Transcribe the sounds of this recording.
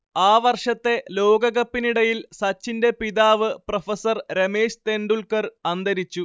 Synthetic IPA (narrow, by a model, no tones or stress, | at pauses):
aːʋɐrʂɐt̪ːe̞lo̞ːɡɐɣɐpːiniɽɐjilsɐt͡ɕːinde̞piðaːʋɨprofɐsɐrɾemeːɕt̪e̞nɖuɭkɐrɐnd̪ʱɐɾit͡ɕːu